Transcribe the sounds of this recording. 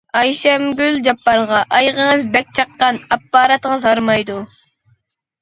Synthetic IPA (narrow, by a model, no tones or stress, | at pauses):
ɑjʃɛmɡʲyld͡ʒɑpːɑɾʁɑʔɑjʁəŋəzbɛk̚ʲt͡ʃʰɑqːɑnɑpːɑːɾɑt̪əŋəzhɑɾmɑjd̪u